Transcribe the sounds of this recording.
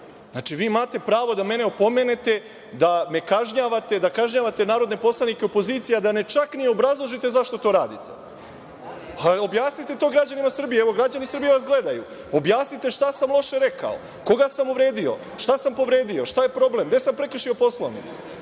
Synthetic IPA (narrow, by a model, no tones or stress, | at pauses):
znaːt͡ʃiʋiːmaːt̪e̞pɾaːʋo̞d̪ame̞ne̞opo̞me̞ne̞t̪e̞ | d̪ame̞kaʒɲaːʋat̪e̞d̪akaʒɲaːʋat̪e̞naːɾo̞d̪ne̞po̞slˠanikeopo̞ziːt̪sijad̪ane̞t͡ʃaknieobɾazlˠo̞ʒit̪e̞zaʃt̪o̞t̪o̞ːɾaːd̪it̪e̞̰ | ao̞bjaːsnit̪e̞t̪o̞ːɡɾad͡ʑanimasr̩bijeeʋo̞ɡɾad͡ʑanisr̩bijeʋasɡle̞d̪ajṵ | o̞bjaːsnit̪e̞ʃt̪asamlˠo̞ʃe̞ɾe̞ka̰o̰ | ko̞ɡasamuʋɾe̞ːd̪io̞̰ | ʃt̪asampo̞ʋɾe̞ːd̪io̞ʃt̪aje̞pɾo̞ble̞md̪e̞sampɾe̞kr̩ʃio̞po̞slˠo̰nḭ